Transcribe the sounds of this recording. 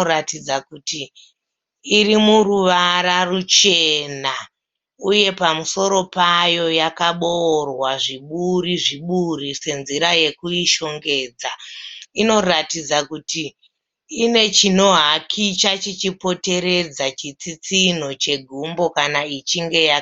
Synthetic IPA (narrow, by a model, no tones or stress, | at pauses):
ɾatid͡zakutiː | rimuruʋaɾarut͡ʃe̞na | uje̞pamuso̞ɾo̞pajo̞jakaɓoːrwaʐiɓuriʐiɓurise̞nziɾaje̞kuiʃo̞ŋɡe̞ːd͡zaino̞ratid͡zakutiː | ne̞t͡ʃino̞ɦakʰit͡ʃat͡ʃit͡ʃipo̞te̞ɾe̞d͡zat͡ʃit͡sit͡sin̤o̞t͡ʃe̞ɡʱumbo̞kanait͡ʃiŋɡe̞ja